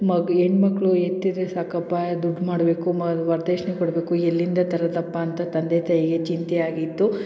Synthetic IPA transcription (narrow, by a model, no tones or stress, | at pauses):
mɐɡeɳmɐkːɭuet̪ːid̪esaːkɐpːaːjd̪uɖʱːmaːɽbe̞ːkumɐɐd̪uʋɐɾd̪eːʂnekoɽbe̞ːkuelːind̪ɐt̪ɐɾɐt̪ɐpːɐːnt̪ɐt̪ɐnd̪et̪ʰɐjɡe̞t͡ʃint̪ɛaːɡit̪ːu